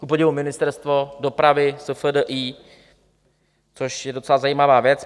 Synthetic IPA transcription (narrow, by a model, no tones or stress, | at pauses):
kupoɟɛvumɪnɪst̪ɛɾst̪vo̞do̞pɾavɪsəfədəʔiː | t͡so̞ʃjɛdo̞t͡sɛlazajiːmavaːvjɛt͡s